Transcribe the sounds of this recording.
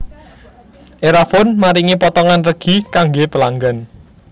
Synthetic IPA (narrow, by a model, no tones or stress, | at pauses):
ʔeɾafʊnmaɾiŋipɔt̪ɔŋanrəɡ̥i̤kaŋɡepəlaŋɡan